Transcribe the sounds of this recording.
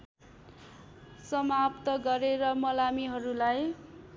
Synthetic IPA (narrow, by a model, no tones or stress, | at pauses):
sʌmapt̪ʌɡʌɾeɾʌmʌlamiɦʌɾulaj